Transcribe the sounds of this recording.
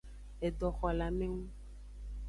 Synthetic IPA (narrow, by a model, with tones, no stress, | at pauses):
e˨ɖɔ˨xɔ˨la˨mẽ˦ŋũ˦